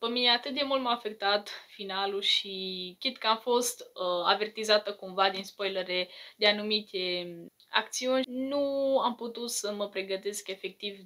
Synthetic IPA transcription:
pəmineat̪ɨt̪̚d̪e̞mult̪məafe̞k̚t̪at̪finaluʃiket̪kəamfo̞st̪a̰ve̞rt̪izat̪əkumvad̪inspojləɾed̪eanumit̪e̞ | a̰k̚t̪siunʲnuamput̪ut̪səməpɾe̞ɡət̪e̞ske̞fe̞k̚t̪iv

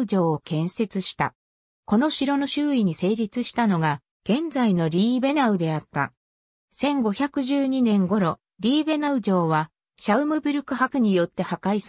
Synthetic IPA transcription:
ɯ̟d͡ʑo̞ːkẽ̞ɰ̃se̞t͡sɨɕi̥t̪a̰ | ko̞no̞ɕiɾo̞no̞ɕɨːiɲ̟ise̞ːɾʲit͡sɨɕi̥t̪ano̞ɡa | ɡ̥ẽ̞nd͡zaino̞ɾʲiːbe̞naɯ̟d̪e̞at̪ːa̰ | sẽ̞ŋɡo̞çʲakɯ̟ʑɨːɲ̟inẽ̞ŋɡo̞ɾo̞ | ɾʲiːbe̞naɯ̟ʑo̞ːβa | ɕaɯ̟mɯ̟bɯɾɯ̟kɯ̟hakɯ̟ɲ̟ijo̞t̪ːe̞hakais

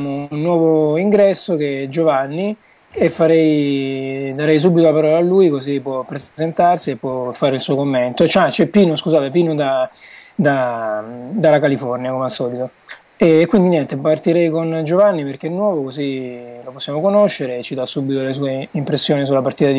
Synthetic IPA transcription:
mounːwɔːvoiŋɡɾɛsːoked͡ʒovanːi | efːaɾɛj | d̪aɾɛjs̬ubːit̪olapaɾɔːlaːlːujkozipːwɔpːɾezzent̪arsiepːwɔfːaːɾeilsuːokomːent̪ot͡ʃat͡ʃɛpːiːnoskuzaːt̪epiːnod̪ad̪a | d̪alakalifɔrnjakomeasːɔːlit̪o | ɛːkːwind̪injɛnt̪epart̪iɾɛjkond͡ʒovanːiperk̟enːwɔːvokoziloposːjaːmokonoʃːeɾet͡ʃːid̪asːubːit̪oles̬uːeimpɾesːjoːnis̬ulːapart̪iːt̪ai

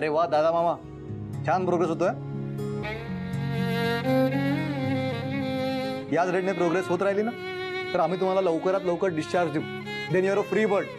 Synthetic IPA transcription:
əɾeʋad̪ad̪amama | t͡ɕʰanpɾoɡɾesɦot̪oja | jat͡sɾeʈnepɾoɡɾesɦot̪ɾaɦliːna | t̪əɾam̤iːt̪um̤alaləʋkəɾat̪ləwkəɾɖiɕt͡ɕaɾd͡ʑd̪iũ | d̪ɛ̃njaɾəfɾiːbəɾɖ

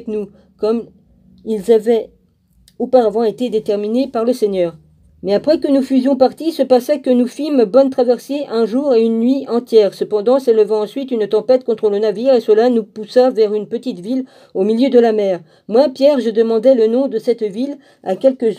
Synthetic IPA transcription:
knu | kɔm | ilzavɛ | opaʁavɑ̃et̪ed̪et̪ɛʁminepaʁləsɛɲœːʁ | mɛapχɛkənufyzjɔ̃paʁt̪isəpasɛkənufimbɔnt̪χavɛʁseʔɛ̃ʒuʁeynːɥiɑ̃t̪jɛʁsəpɑ̃d̪ɑ̃seləvɑ̃ɑ̃sɥit̪ynt̪ɑ̃pɛt̪kɔ̃t̪χələnaviʁesəlanupusavɛʁynpət̪it̪vil | omiljød̪əlamɛːʁ | mwapjɛʁʒəd̪əmɑ̃d̪ɛlənɔ̃d̪əsɛt̪vil | a̰kʲɛlkəz

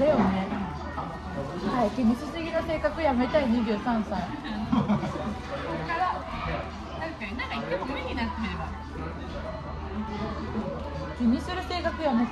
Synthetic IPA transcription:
ejone̞ | haikʲiɲisɨsiɡʲinase̞ːkakɯ̟jame̞t̪aiɲ̟iʑɨːsãɰ̃saĩ | kaɾa | t̪askaɲinãŋkait̪ːemomoiɲʲinaɾt̪emɾeba | kʲiɲʲːisɨɾɯ̟se̞ːkakɯ̟jame

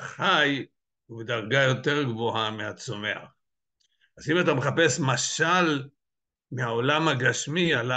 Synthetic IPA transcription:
χaj | uvedaʁɡajo̞te̞ʁɡvoameat͡some̞a̰χ | azimatameχape̞smaʃal | meao̞lamhaɡaʃmiala

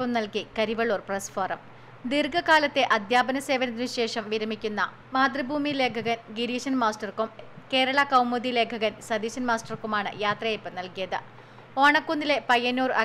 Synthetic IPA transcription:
pːɐmnɐlkikɐɾiʋɐɭuːrprɐsfoːrɐ̰m | d̪irɡɐkaːlɐt̪ːe̞ʔɐd̪ʱjaːbɐnɐse̞ːʋɐnɐt̪̬ːinɨɕe̞ːʂɐmʋiɾɐmikʲːunːɐ | maːd̪ribʱuːmile̞ːkʰɐɣɐnɡiɾiːɕɐnmaːstɐrkumke̞ːɾɐɭɐkɐwmuðile̞ːkʰɐɣɐnsɐd̪iːɕɐnmaːsʈɐrkumaːɳɨ̰jaːt̪rɐjepːɐmnɐlkijɐðɨ | o̞ːɳɐkːund̪ile̞pɐjɐnuːrɐ

